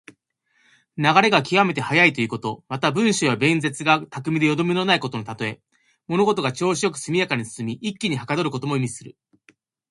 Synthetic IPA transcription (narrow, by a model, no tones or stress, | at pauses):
naɡaɾe̞ɡakʲiɡame̞t̪e̞hajait̪o̞jiɯ̟ko̞t̪o̞mat̪abɯ̟̃ɰ̃ɕoβabẽ̞nd͡ze̞t͡sɨɡat̪akɯ̟mʲid̪e̞jo̞d̪o̞mʲino̞naiko̞t̪onot̪at̪o̞e̞ | mo̞no̞ɡo̞t̪o̞ɡat͡ɕo̞ːɕijo̞kɯ̟̥sɨmʲijakaɲ̟isɨ̥sɨmʲiʔikʲːiɲ̟ihakad̪o̞ɾɯ̟ko̞t̪o̞mo̞imʲisɨɾɯ̟